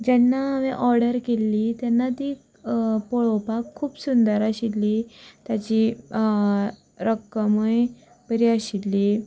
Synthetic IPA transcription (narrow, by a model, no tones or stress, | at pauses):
d͡ʑɛnːaʋẽʔɔɾɽəɾkelːiːt̪janːat̪iː | poɭopakʰːuːpsund̪əɾaɕilːiːt̪jat͡ɕi | ɾəkːəməj | bəɾiaɕilːiː